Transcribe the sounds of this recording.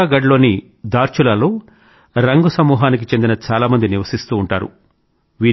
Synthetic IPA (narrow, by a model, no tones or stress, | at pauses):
aɡɐɖlo̞ːni | d̪aːɾt͡ʃulalo̞ː | ɾɐŋɡusɐmuːɦaːnik̬it͡ʃe̞nd̪inɐt͡ʃaːlaːmɐnd̪iniʋɐsist̪uːɳʈaːɾṵ | ʋiː